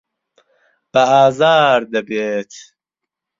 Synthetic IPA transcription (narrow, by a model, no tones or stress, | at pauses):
b̥ɐaːzaːɾd̪ɐbet̪ʰ